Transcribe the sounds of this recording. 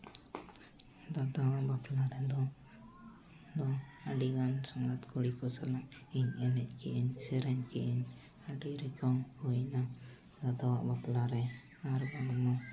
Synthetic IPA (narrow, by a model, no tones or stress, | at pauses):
d̪ad̪awaʔbaplaɾɛd̪ɔ | d̪ɔaɖiɡansaŋɡat̪kuɽikɔsalaŋiɲɛnɛʔ̚kiʔinsɛɾɛɲkiʔin | aɖiɾɛkɔŋhujna | d̪ad̪awaʔbaplaɾɛ | aɾɡanmɔ